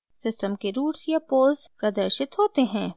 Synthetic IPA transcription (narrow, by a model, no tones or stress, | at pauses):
sɪsʈəmkeɾuːʈsjapoːlzpɾɐd̪əɾʃɪt̪ɦoːt̪eɦɛ̃ː